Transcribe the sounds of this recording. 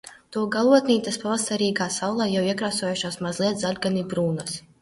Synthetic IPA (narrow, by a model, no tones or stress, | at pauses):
t̪uɔɡalˠuɔt̪nʲiːt̪aspavast̪aɾiːɡaːsawlˠaːjawiɛkɾaːsɔjuʃaːsmazlˠiɛt̪zalʲɡanibɾuːnas